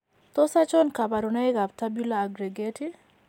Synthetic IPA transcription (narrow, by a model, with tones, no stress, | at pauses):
t̪ɔ˦sa˦t͡ʃɔ˦nka˨ba˨ɾuna˦ɪ˦ka˨ptabulaːɡɾeɡeti˦